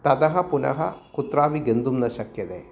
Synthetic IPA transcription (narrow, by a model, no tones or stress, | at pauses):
t̪ɐd̪ɐɦɐpunɐ̰ɦɐkut̪ɾaːʋiɡend̪umnɐʃɐkjɐd̪eː